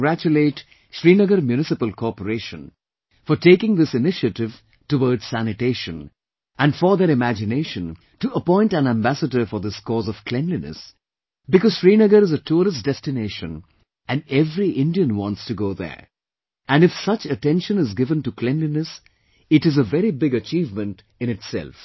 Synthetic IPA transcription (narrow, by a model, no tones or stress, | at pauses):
ɡɾæt͡ʃɨleɪt | ʃɹinəɡəɾmjunɪsɨpəlˠkʰɔpəɾeɪʃə̃n | fɔʈeɪkɪ̃ŋðɪsɨnɪʃəɾɪv̥ | tuwɔɹdz̥sænɨteɪʃə̰̃n | ʔæ̃nfɔðəɾɨmæd͡ʒɨneɪʃə̃n | tuəpɔ̃ɪ̃ntæ̃næ̃mbæsədə˞fɔðɪskɔːzɔv̥kʰl̥ɛ̃mlinɨ̰s | bɨkɔz̥fɹinɪɡəɾɨzətʰuɾəsd̥ɛstɨneɪʃə̰̃n | ɨ̃nɛvɾiʔɪ̃ndiə̃nwɑ̃ntstɨɡoʊðə̰˞ | æ̃nɨfsʌt͡ʃɨtɛ̃nʃə̃nɨzɡɪvə̃ntukʰl̥ɛ̃mlinɨs | ɨɾɨzəvɛɾibɪɡət͡ʃiːvmə̃nt | ɨ̃nɨtsɛ̰lˠf